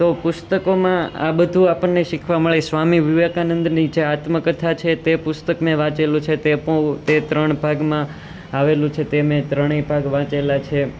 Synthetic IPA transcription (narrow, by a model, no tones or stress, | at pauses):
t̪opʊst̪əkomãa̰bəd̪ʱũapəɳːeʃikʰʋaməɭesʋamiʋiʋekanənd̪nid͡ʒeat̪məkət̪ʰat͡ʃʰet̪epʊst̪əkmẽʋãt͡ʃelũt͡ʃʰet̪epəɭt̪et̪ɾəɳ̃bʱaɡmã | aʋelũt͡ʃʰet̪emẽt̪ɾəɳ̃ebʱaɡʋãt͡ʃelat͡ʃʰe